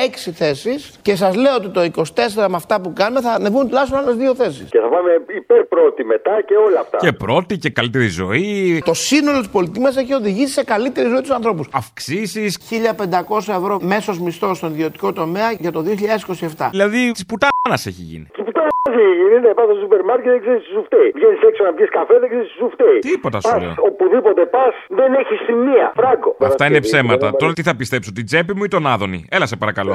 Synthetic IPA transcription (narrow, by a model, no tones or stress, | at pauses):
eksiθe̞sisce̞sɐzle̞oot̪it̪oiko̞si̥t̪e̞seɾɐmeɐft̪ɐpukɐnume̞θɐnevunt̪ulɐçst̪onale̞zðio̞θe̞sḭsceθɐpɐme̞ipeɾpɾo̞t̪ime̞t̪ɐce̞o̞lɐːft̪ɐ̰epɾo̞t̪icekɐlit̪eɾizo̞̰it̪o̞sino̞lo̞t̪ispo̞lit̪imɐs̬e̞çio̞ðiʝisi̥se̞kɐlit̪e̞ɾizo̞it̪usɐnθɾo̞pusɐfksisisçiʎɐpe̞nd̪ɐko̞sɐe̞vɾo̞me̞so̞zmist̪o̞st̪o̞niðio̞t̪i̥ko̞t̪o̞me̞ɐʝɐt̪o̞ðio̞çiʎɐðesi̥ko̞sie̞ft̪ɐilɐðit̪isput̪ɐnɐseçiʝḭnḭt̪iput̪ɐnɐziininepɐstososupeɾmaɾket̪ðeɡzeɾist̪usuft̪eivʝeniseksonɐpçiskɐfeðeɡzeɾist̪usuft̪eit̪ipot̪ɐsɐso̰opuðipot̪epɐsðeneçistimːiɐ̰fɾɐɡoɐft̪ɐinepse̞mɐt̪ɐt̪oɾɐt̪iθɐpist̪e̞psot̪id͡ze̞pimuit̪o̞nɐðo̞̰nḭelɐsepɐɾɐkɐlo̞̰